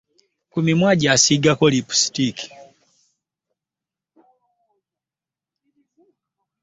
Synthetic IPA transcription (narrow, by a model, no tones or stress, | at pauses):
kumimwaɟaːsiɡakɔlipu̥si̥tiki̥